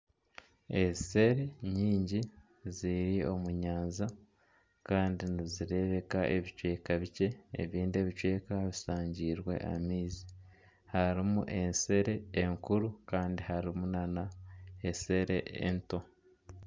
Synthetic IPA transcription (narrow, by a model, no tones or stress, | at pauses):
ese̞ɾe̞ɲiːɲɟi | ziɾio̞muɲaːnza | kaːndiniziɾe̞βe̞kaʔe̞βit͡ʃwe̞ːkaβice̞̰ːβiːnde̞ːβit͡ʃwe̞ːkaβisaːɲɟiːɾwe̞̰ʔa̰miːzi | haɾimuʔe̞nse̞ɾe̞ːŋkuɾukaːndihaɾimunanaese̞ɾe̞̰ʔḛnto